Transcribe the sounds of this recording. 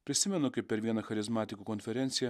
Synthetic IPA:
pʲɾʲɪsʲɪmʲɛnʊkɐɪp̚ʲpʲɛɾʋʲiɛnɐxɐɾʲɪzmɑːt̪ʲɪkuːkɔnʲfʲɛɾʲɛnʲtsʲɪjɛ

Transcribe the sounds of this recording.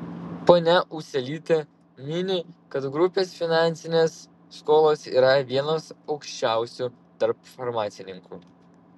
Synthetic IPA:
poːnʲɛʔʊʃʲsʲɛlʲiːt̪ʲe | mʲɪnʲɪkɐt̪ɡɾʊpʲeːsfʲɪnɑˑnʲt̪sʲɪnʲeːsː | koːlˠoːsḭːɾɐʋʲiɛnoːsɐʊkʃʲt͡ʃʲæˑʊsʲuːˑ | t̪ɐɾp̚fɔɾmɑːt̪sʲɪnʲɪŋkṵː

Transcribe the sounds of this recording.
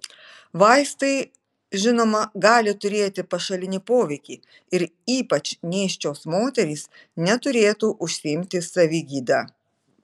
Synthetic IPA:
ʋɐɪst̪ɐɪ | ʒʲɪnoːmɐɡɑːlʲɪt̪ʊɾʲeːt̪ʲɪpɐʃɐlʲɪnʲɪpoːʋʲɛɪkʲiː | ɪɾiːpɐt͡ʃnʲeːʃʲt͡ʃʲoːsmoːt̪ʲɛɾʲiːs | nʲɛt̪ʊɾʲeːt̪uːʔʊʃʲsʲɪɪmʲt̪ʲɪsɐʋʲiɡʲiːd̪ɑː

